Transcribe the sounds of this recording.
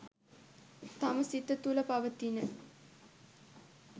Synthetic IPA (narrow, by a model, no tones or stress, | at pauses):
t̪aməsit̪ət̪uləpaʋət̪inə